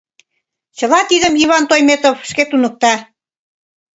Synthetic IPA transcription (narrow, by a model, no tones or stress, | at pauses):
t͡ɕə̆lɑt̪iðəmiβɑnt̪ojmet̪ovʃket̪unə̆k̚t̪ɑ